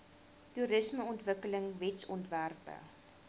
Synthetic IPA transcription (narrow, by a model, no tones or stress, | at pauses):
tuɾəsməɔntvəkələŋvɛtsɔntværpə̰